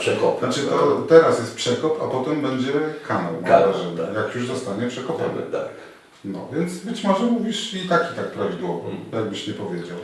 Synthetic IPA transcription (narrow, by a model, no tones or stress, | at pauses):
ʂɛkɔpnat͡ʂɘt̪ɔt̪ɛɾasjɛst̪̚pʂɛkɔpa̰pɔt̪ɛmbɛɲd͡ʑɛkʰanawmaaʐɛjakjuʐzɔst̪aɲɛpʂɛkɔpɔ̰nɨ̰t̪a̰k | nɔ̰vʲjɛnt̪sbɘt͡ɕmɔʐɛmuvʲiʂit̪akʲi̥t̪ak̚pɾɔvd̪wɔvɔ̰jaɡ̚bɘɕɲɛpɔvʲjed͡ʑaw